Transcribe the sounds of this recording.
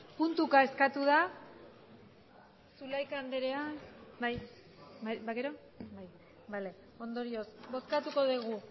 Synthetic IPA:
punt̪ukae̞skat̪uð̞a | sulajkand̪eɾeabaj | bajbaɣeɾo̞ | baj | bale̞ | o̞nd̪o̞ɾio̞sbo̞skat̪uko̞ðiɣ̞u

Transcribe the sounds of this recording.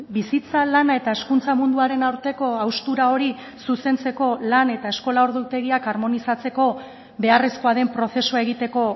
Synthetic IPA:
bisit͡salanae̞t̪ae̞skunt͡samund̪uaɾe̞nawɾt̪e̞ko̞awst̪uɾao̞ɾi | suse̞nt͡se̞ko̞lane̞t̪ae̞sko̞lao̞ɾðut̪e̞ɣiakaɾmo̞nisat͡se̞ko̞ | be̞are̞skoaðe̞mpɾo̞θe̞suae̞ɣit̪e̞ko̞

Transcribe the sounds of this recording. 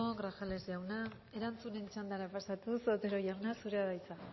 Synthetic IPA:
oɡɾaxale̞zjawna | e̞ɾant͡sune̞nt͡ʃand̪aɾapasat̪usot̪e̞ɾo̞ʝawnasuɾeaðajt͡sa

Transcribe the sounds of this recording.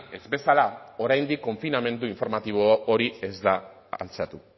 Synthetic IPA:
e̞zbe̞salao̞ɾajnd̪ikːo̞ɱfiname̞nd̪uiɱfo̞ɾmat̪iβ̞ooɾie̞zd̪a | a̰nt͡sat̪u

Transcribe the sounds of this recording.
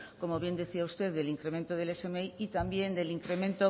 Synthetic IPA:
ko̞mo̞βje̞nd̪eθiaust̪e̞ððe̞liŋkɾe̞me̞nt̪oð̞e̞lesemeiit̪ambje̞nd̪e̞liŋkɾe̞mẽ̞nt̪o

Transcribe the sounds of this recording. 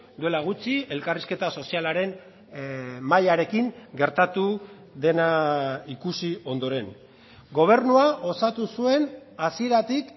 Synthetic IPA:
d̪ue̞laɣ̞ut͡sie̞lkariske̞t̪aso̞sialaɾe̞n | majaɾe̞kiŋɡe̞ɾt̪at̪u | ðe̞naikusio̞nd̪o̞ɾe̞n | ɡo̞β̞e̞ɾnuaʔo̞sat̪usue̞nasie̞ɾat̪ik

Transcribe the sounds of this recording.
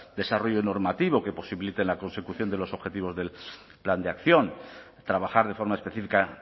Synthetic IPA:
d̪e̞saro̞ʝono̞ɾmat̪iβ̞o̞ke̞po̞siβilit̪enlako̞nse̞kuθjo̞nd̪elo̞so̞βxe̞t̪iβ̞o̞zðe̞l | pland̪eakθjo̞n | t̪ɾaβaxaɾð̞e̞fo̞ɾmaespe̞θifika

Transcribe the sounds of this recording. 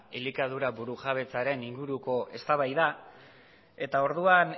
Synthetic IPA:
elikað̞uɾaβuɾuʝaβ̞e̞t͡saɾe̞niŋɡuɾuko̞ʔe̞st̪aβajða | e̞t̪ao̞ɾðuan

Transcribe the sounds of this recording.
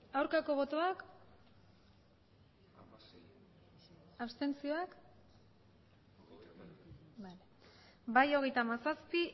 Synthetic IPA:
awɾkako̞β̞o̞t̪o̞ak | ast̪e̞nt͡sio̞ak | bal | bajo̞ɣ̞e̞jt̪amasaspi

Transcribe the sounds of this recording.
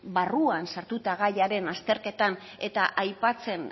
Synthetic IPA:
baruansaɾt̪ut̪aɣajaɾe̞nast̪e̞ɾke̞t̪an | e̞t̪aʔajpat͡se̞n

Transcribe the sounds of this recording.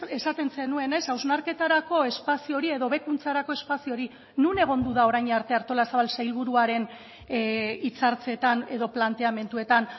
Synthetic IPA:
e̞sat̪e̞nse̞nue̞ne̞sawznaɾke̞t̪aɾako̞e̞spasio̞ɾie̞ðo̞βe̞kunt͡saɾako̞e̞spasio̞ɾi | nune̞ɣ̞o̞nd̪uðao̞ɾajɲaɾt̪e̞aɾt̪o̞lasaβalsajlβuɾuaɾe̞n | it͡saɾt͡se̞t̪ane̞ðo̞plant̪e̞ame̞nt̪ue̞t̪an

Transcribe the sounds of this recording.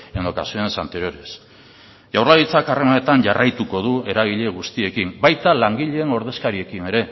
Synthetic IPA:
eno̞kasioensant̪eɾioɾes | ʝawrlaðit͡sakare̞manet̪aɲʝarajt̪uko̞ð̞ue̞ɾaɣ̞iʎe̞ɣ̞ust̪ie̞kimbajt̪alaŋɡiʎe̞ːno̞ɾðe̞skaɾie̞kine̞ɾe̞

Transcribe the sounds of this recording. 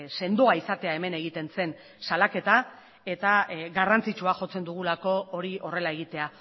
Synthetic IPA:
se̞nd̪oaisat̪e̞ae̞me̞ne̞ɣ̞it̪e̞nse̞n | salake̞t̪a | e̞t̪aɣarant͡sit͡ʃuaʝo̞t͡se̞nd̪uɣ̞ulako̞ːɾiʔo̞re̞lae̞ɣ̞it̪e̞a

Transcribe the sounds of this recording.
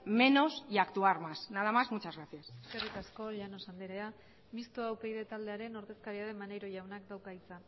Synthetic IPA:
me̞no̞siakt̪uaɾmasnað̞amazmut͡ʃazɣɾaθjaseskerit̪asko̞ʎano̞sand̪eɾea | mist̪oawpe̞jðe̞t̪ald̪e̞aɾe̞no̞ɾðe̞skaɾiaðe̞mane̞jɾo̞ʝawnak̚d̪awkait͡san

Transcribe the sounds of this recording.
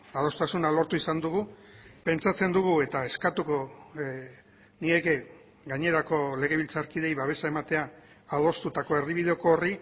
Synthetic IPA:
aðo̞st̪asunalo̞ɾt̪uisand̪uɣupe̞nt͡ʃat͡se̞nd̪uɣue̞t̪ae̞skat̪uko̞ | nie̞ke̞ | ɡaɲe̞ɾako̞le̞ɣ̞e̞βilt͡saɾkið̞e̞jβaβe̞sae̞mat̪e̞aː | ðo̞st̪ut̪ako̞e̞ɾðiβið̞eo̞koːri

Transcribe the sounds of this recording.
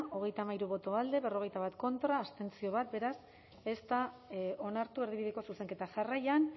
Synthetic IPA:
ʔo̞ɣ̞e̞jt̪amaiɾuβo̞t̪o̞ald̪e̞βe̞ro̞ɣ̞ejt̪aβat̪ko̞nt̪ɾaːst̪e̞nt͡sio̞β̞at̪̚be̞ɾas | e̞st̪ao̞naɾt̪ue̞ɾðiβiðeko̞suse̞ŋke̞t̪aʝarajan

